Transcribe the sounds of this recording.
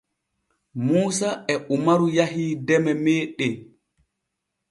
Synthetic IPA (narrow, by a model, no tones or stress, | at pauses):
muːsaɛʔumaɾujaɦiːdɛmɛmɛːɗɛ